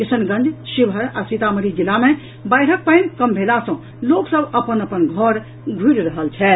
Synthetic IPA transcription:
kisənɡə̃nd͡ʒsibʱəɾasit̪aməɾid͡ʒilːame | bəjɾ̤ək̚pajmkəmbʱelasə̃ | loksəbəpənəpənɡʱəɾ | ɡʱuɾɾəɦəlt͡ʃʰɛ

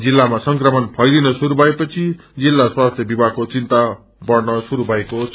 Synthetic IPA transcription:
d͡zilːamasʌŋkrʌmʌnpʰʌjlinʌsuɾubʱʌepʌt͡sʰi | d͡zilːaswast̪ʰjʌbibʱakot͡sint̪a | bʌrnʌsuɾubʱʌeko

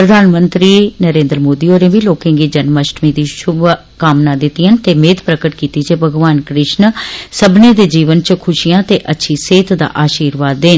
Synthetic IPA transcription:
pɾəd̪ʱaːnmənt̪ɾiːnəɾẽːnd̪ɾmoːd̪iːoːɾẽːʋiːloːkẽːɡiːd͡ʒənməʃʈmiːd̪iːʃʊb | kamnãːd̪ɪt̪ːiənt̪eːmeːt̪pɾəkəʈkiːt̪iːt͡ʃeːbʱəɡʋaːnkɾɪʃnsəbnẽːd̪eːd͡ʒiːʋənt͡ʃkʰʊʃijãːt̪eːʔətːʃʰiːseːt̪d̪a̰ːʔaːʃiːɾʋaːd̪ːeːn

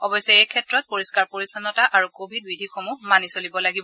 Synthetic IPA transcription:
ɔbɔjsɛejkʰɛtɹɔt̚poɹiskaɹpoɹisanɔtaʔaɹukobʱidbidʱixomuɦmanisolibɔlaɡibɔ

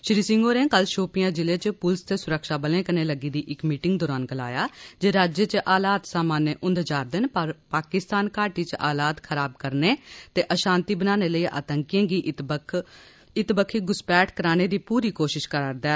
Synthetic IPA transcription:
ʃɾiːsɪŋɡoːnẽːkəlʃoːpɪjãːd͡ʒɪleːt͡ʃpʊlst̪eːsʊɾəkʃaːbəlẽːkəneːləɡiːd̪iːʔɪkmiːʈɪŋɡd̪ɔːɾaːnɡəla̰ːjaːd͡ʒeːɾaːd͡ʒet͡ʃʔaːlaːt̪saːmaːnːẽːʔʊnd̪d͡ʒaːɾd̪enpɾpaːkɪst̪aːnkaːʈiːt͡ʃʔaːlaːt̪kʰəɾaːb̚kəɾneːt̪eːʔəʃãːnt̪iːbənaːneːləiːʔa̰ːt̪əŋkijãːɡiː | ɪt̪bəkʰiːɡʊspɛːʈʰkəɾaːñeːd̪iːpuːɾiːkoːʃɪʃkəɾaɾd̪ɛː

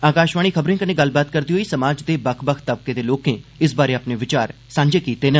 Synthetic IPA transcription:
aːkaːʃʋaːɽiːkʰəbɾẽːkənẽːɡəlbaːt̪kəɾd̪iɦoːiːsəmaːd͡ʒd̪eːbəkʰbəkʰt̪əb̚keːd̪eːloːkẽːɪs̬baːɾeːaːpneːʋɪt͡ʃaːɾ | sãːɲd͡ʒeːkiːt̪eːne

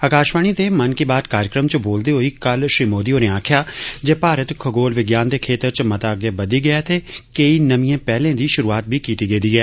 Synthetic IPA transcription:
əkaːʃʋaːɽ̃it̪emənkibaːd̪̚kaːɾjəkɾəmt͡ʃəboːld̪eɦoiːkɐlʃɾiːmoːd̪ioːɾẽãːkʰjaːd͡ʒeːpaːɾət̪kʰəɡoːlʋɪɡjaːnd̪eːkʰeːt̪əɾt͡ʃmɐt̪aːɡjabəd̪iɡɐjat̪ʰeːkəinəmĩẽːpɛːlẽːd̪iːʃʊɾuːaːt̪̚bʱikiːt̪iɡeːd̪iːɛː

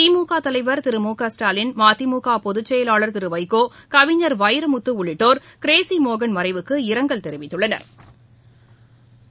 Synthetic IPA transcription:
imuːkaːt̪ɐlɐɪʋɐɾt̪ɪɾɯmuːkaːsʈaːlɪnmaːt̪imuːkaːpɔðɯt͡ʃːɐjɐlaːɭɐɾt̪ɪɾɯʋɐɪkoːkɐʋɪɲːɐɾʋɐɪɾɐmʊt̪ːɯʊɭɪʈːoːɾkɪɾeːsimoːɣɐnmɐɾɐɪʋɯkːɯɪɾɐŋɡɐɭt̪ɛɾɪʋɪt̪ːɯɭːɐnɐ̰ɾ

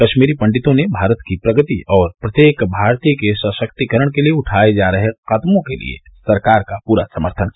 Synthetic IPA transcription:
kɐʃmiːɾipɐ̃ɳɖɪt̪õnebʱaːɾət̪kipɾɐɡət̪ḭɔːɾpɾɐt̪jeːkbʱaːɾt̪ijəkesəʃəkt̪ikəɾəɽ̃kelieʊʈʰaːed͡ʒaːɾɐɦexaːt̪mõkḛlḭḛ | sɐɾkaːɾkapuːɾasɐməɾt̪ʰən

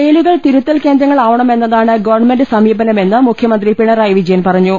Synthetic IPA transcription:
eːluɣɐɭt̪iɾut̪ːɐlke̞ːnd̪ɾɐŋːɐɭaːʋɐɳɐme̞nːɐðaːɳɨɡɐʋɐrɳme̞ndɨsɐmiːbɐnɐme̞nːɨmukʰjɐmɐnd̪ripiɳɐrajʋid͡ʑɐjɐnpɐrɐɲːu

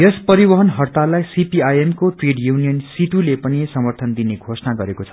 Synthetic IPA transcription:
espʌɾibʌɦʌnɦʌrt̪alajsipiajemkoʈreɖjunijʌnsit̪ulepʌnisʌmʌrt̪ʰʌnd̪ineɡʱosnaɡʌɾekot͡sʰʌ̥

